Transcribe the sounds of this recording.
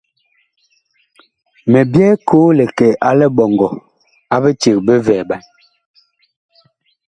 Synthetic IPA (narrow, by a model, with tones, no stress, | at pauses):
mɛ˨bjɛ˦kʰoː˨˦lɛ˨kɛ˨ʔa˦lɛ˦ɓɔ˨ŋɡɔ˨ | a˦be˦t͡ʃe˨k̚be˦vɛː˨ɓa˨n